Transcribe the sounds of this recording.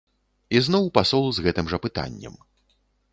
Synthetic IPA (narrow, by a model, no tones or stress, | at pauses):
iznɔwpasɔlˠuzɣɛt̪ɨmʐɐpɨt̪a̰nʲːɛ̰m